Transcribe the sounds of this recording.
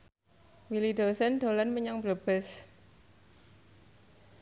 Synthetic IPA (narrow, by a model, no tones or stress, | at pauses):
wilid̪̥osɛnd̪̥o̤lanməɲaŋb̥ɾəb̥ɛs